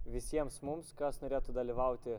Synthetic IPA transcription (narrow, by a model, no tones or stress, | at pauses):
ʋʲɪsʲiɛmsmʊmskɐsnoːɾʲeːt̪ʊd̪ɐlʲiʋɐʊt̪ʲɪ